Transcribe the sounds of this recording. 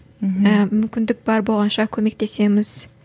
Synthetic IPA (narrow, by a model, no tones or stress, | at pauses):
əmʏmkʲɪnd̪ɪk̚bɑɾbo̞lˠʁɑnʃɑkʲʰɵme̞k̚t̪ʰe̞se̞mɪz̥